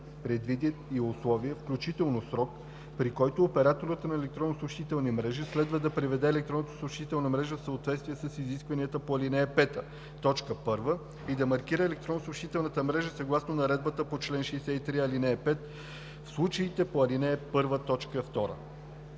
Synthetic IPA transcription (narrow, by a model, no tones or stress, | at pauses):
pɾɛd̪vid̪it̪iʊslˠɔviəfklʲut͡ʃit̪ɛlˠnosɾɔk | pɾikɔjt̪oːpɛɾat̪oɾət̪nɐɛlɛk̚t̪ɾonːosoʃt̪it̪ɛlˠnimɾɛʒislɛd̪vəd̪ɐpɾivɛd̪ɛːlɛk̚t̪ɾɔnot̪o̥soʃt̪it̪ɛlˠnəmɾɛʒəfsəot̪vɛt̪st̪viɛsəsiziskvɐniət̪əpoɐlinɛɛpɛt̪ə | t̪ɔt͡ʃkəpɤɾvə | id̪ɐmɐɾk̟iɾəɛlɛk̚t̪ɾonːosoʃt̪it̪ɛlˠnət̪əmɾɛʒəsɐɡlˠasnonɐɾɛd̪̚bət̪əpot͡ʃlɛnʃɛːsɛit̪ɾiɐlinɛːpɛt̪ | fslˠut͡ʃəit̪ɛpoɐlinɛːpɤɾvət̪ɔt͡ʃkəft̪ɔɾə̰